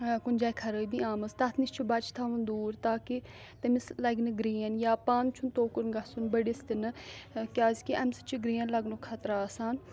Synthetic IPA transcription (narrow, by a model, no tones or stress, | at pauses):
kund͡ʒaːjkʰɐɾəːibiaːmɐst̪ɐt̪ʰnist͡ʃʰubɐt͡ʃʰt̪ʰaːʋund̪uːɾt̪aːki | t̪ɐmislɐɡnɨɡɾiːɐnjaːpaːmt͡ʃʰunt̪oːkuɾɡɐsunbəɽist̪inɨkʲaːzʲkiʔɐmsə̥t͡ʃʰiɡɾiːɐnlɐɡnokʰɐt̪ɾaːsaːn